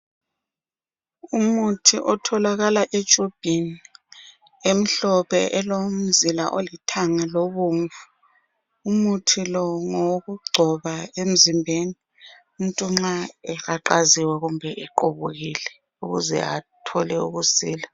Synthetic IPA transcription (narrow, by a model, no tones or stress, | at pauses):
umutʰiʔɔtʰɔlaɣalaʔed̥ʒ̥ʱʼob̥ʱini | em̩ɬɔpʰɛ̰ʔɛlom̩zila̰ʔolitʰaŋaloβuɱvu | umutʰilɔŋoɣuɡ͡ǀʱɔβaem̩zimbʱeːni | um̩tʼuŋ͡ǁaɛɣaǃaziwɛɣumbʱɛʔɛǃoβuɣilɛ | uɣṵzɛ̰atʰɔlɛṵɣusiːla